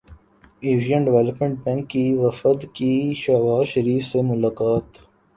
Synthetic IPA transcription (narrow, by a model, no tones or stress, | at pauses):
eːʃijə̃nɖɪʋɛləpmẽɳʈ̚bɛ̃ŋkːiʋɐfəd̪kiʃabaːzʃɐɾiːfsemʊlaːkaːt̪